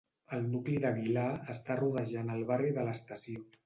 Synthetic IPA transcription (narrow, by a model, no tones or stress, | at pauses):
əlˠnukliðəɣilaəst̪aruð̞əʒanəlˠβariðələst̪əsio